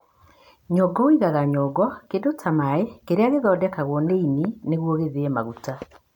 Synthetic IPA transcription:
ɲɔɡɔwiɣaɣaɲɔɡwɔkedotʰamaekeɾeaɣeðɔːdɛkaɣwɔneinineɣwoɣeðeɛmaɣuta

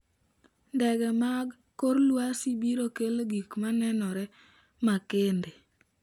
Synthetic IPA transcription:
ndɛɡɛmaɡ | kːoɾlwasibiɾokelɡikmanɛnɔɾɛ | makende

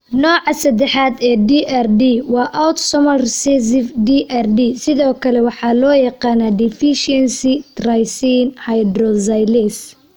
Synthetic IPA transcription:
nɔːʕɑsɐd̪ɛħaːd̪ɛːd̪iʔɛrdiːwɑːʔɐwt̪sɔmɐrsɛs̬ɪfd̪iːʔɛrd̪iːsɪðɔːkʰɐlɛwɑħɑːlɔːjɑqɑːnaːd̪ɪfiʃɛnsit̪rɐjsiːnhajd̪rɔzɐjlɛs

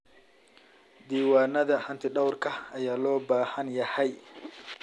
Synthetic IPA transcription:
d̪iːwaːnɐðɐħɐnt̪ʰɪɖɐwrkʰɐɐjaːlɔːbaːhɐnjɐhɛj

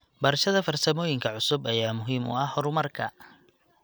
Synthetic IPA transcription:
bɐɾʃɐðɐfɐrsɐmɔːjɪŋkʰɐʕʊsʊbɐjaːmʊɦiːmʊ̰ɐhhɔɾʊmɐrkʰɐ

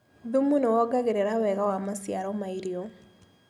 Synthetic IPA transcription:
dumunowɔɡaɡeɾeɾawɛɣawamasjaɾɔmaiɾio

